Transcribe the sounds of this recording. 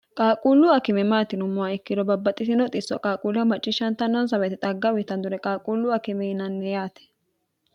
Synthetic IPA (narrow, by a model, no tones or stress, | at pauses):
kʼaːkʼulːʊɐkɪmɛmaːt̪ɪnʊmːʊaɪkːɪd̪ɔbɐbːɐt̪ʼːɪsɪnɔt̪ʼɪsːɔ̰kʼaːkʼuːlɐmɐt͡ʃʼːɪʃɐnt̪ɐnːɔns̬ɐbɛt̪ɪt̪ʼɐɡːɐwɪt̪ɐnd̪ʊɾɛkʼaːkʼulːʊɐkɪmɛɪnɐnːɛjaːt̪ɛ̥